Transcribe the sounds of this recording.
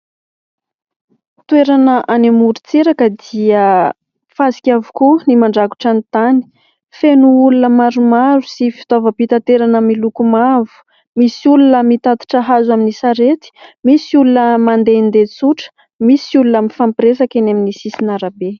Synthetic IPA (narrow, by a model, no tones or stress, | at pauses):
t̪weɾanəʔanemuɾit͡seɾakəd̪iə | fasi̥kʲavu̥kunimaɳɖ͡ʐaku̥ʈ͡ʂanit̪ani̥ | fenuulunəmaɾumaɾusifi̥t̪ovəpit̪at̪eɾanəmilukumavu̥ | misiulunəmit̪at̪u̥ʈ͡ʂaɦazwaminisaɾet̪i̥misiulunəmand̪end̪et͡suʈ͡ʂə̥ | misiulunəmifampiɾesakenaminisisinaɾabe